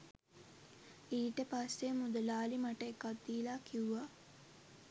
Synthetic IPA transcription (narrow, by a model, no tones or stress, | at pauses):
iːʈəpasːemud̪əlaːlimaʈəekːat̪̚d̪iːlaːkʰiuʋa